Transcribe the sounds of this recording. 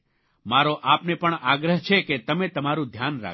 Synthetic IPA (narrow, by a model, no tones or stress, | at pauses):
maɾoʔapnepəɳaɡɾəɦt͡ʃʰeket̪əmet̪əmaɾũd̪ʱjanɾa̰